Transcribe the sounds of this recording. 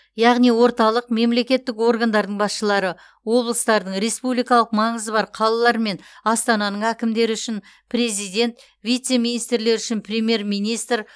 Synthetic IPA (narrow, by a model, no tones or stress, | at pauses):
jɑʁnijwo̞ɾt̪ɑlˠəqme̞mle̞kʲe̞t̪ːɪko̞ɾɡand̪ɑɾd̪əɴbɑsʃəlˠɑɾə | wo̞blˠəst̪ɑɾd̪əɴɾe̞spublijkɑlˠəqmɑɴəzəbɑɾqʰɑlˠɑlˠɑɾme̞nɑst̪ɑnɑnəɴækʲɪmd̪e̞ɾɪʏʃɪn | pɾʲe̞zijd̪e̞nt̪ | vʲijt̪se̞mijnijst̪ɾle̞ɾʏʃɪnprʲe̞mʲje̞rmijnijst̪ɾ